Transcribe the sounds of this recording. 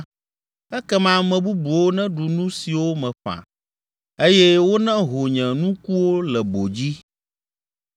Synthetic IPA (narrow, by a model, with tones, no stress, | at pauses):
ɛ˦kɛ˦mã˦mɛ̃˨bu˦bu˨wo˦nɛ̃˦ɖu˨nũ˦si˨wo˦mɛ̃˨ɸã̰˨ | e˦jɛ˦wo˦nɛ̃˦ɦo˨ɲɛ̃˨nũ˦ku˦wo˦lɛ˨bo˨d͡ʑi˦